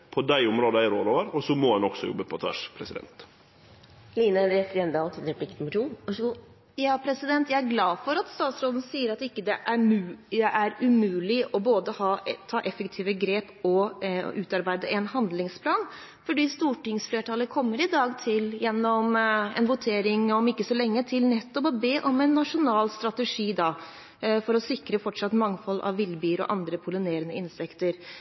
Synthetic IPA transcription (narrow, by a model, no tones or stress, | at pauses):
pʰɔd̪æɪʊmɾoːd̪əæɪɾo̰ːloːʋəɾɔsɔmɔhɑnɔɡ̥sɔ̰jɔ̰bːəpʰɔt̪ʰʋæ̰ʂpʰɾɛsɪd̪ɛ̰nt̪ | liːnəɾɛt̪əɾɛnd̪ɑːt̪ʰɪd̪ɛɾplɪkt̪mɪʂuːn | jɑːpʰɾɛsɪd̪ɛnt̪jæɪæɾɡlɑːfɔɾɑt̪st̪ɑːt̪sɾoːd̪n̩siːəɾɑt̪ɪkːəd̪ɛʔæmʉd̪ɛʔæɾʉmʉːlɪʔɔboːd̪əhɑːt̪ʰɑːʔɛfɛkt̪ʰiːʋəɡɾeːpɔʉːt̪ɑɾbæɪd̪əʔɛnɦɑnd̪lɪŋspʰlɑːn | fɔɖiːst̪uːʈɪŋsfleːʈʰɑːləkʰɔmːəɾɪd̪ɑːɡt̪ʰɪljɛnːɔmɛ̰nʋʊt̪ʰeːɾɪŋɔmɪkːəsɔlɛŋːət̪ʰɪlnɛt̪ːɔpɔbeːʔɔmɛnːɑʂʊnɑːlst̪ɾɑt̪əʂiːd̪ɑ | fɔɾɔsɪkɾəfɔʈʂɑt̪ːmɑŋːfɔlːɑ̰ʋːɪlbiːɾɔ̰ʔɑ̰nd̪ɾəpʰʊlɪneːɾənəɪnsɛkt̪əɾ